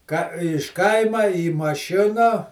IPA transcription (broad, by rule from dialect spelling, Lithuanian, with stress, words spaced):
kɐ ɪʃ ˈkɐɪmɐ iː mɐˈʃʲɪnɐ